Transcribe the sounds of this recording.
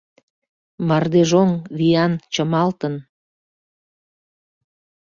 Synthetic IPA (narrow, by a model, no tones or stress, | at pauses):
mɑrd̪eʒoŋβijɑnt͡ɕəmɑlt̪ən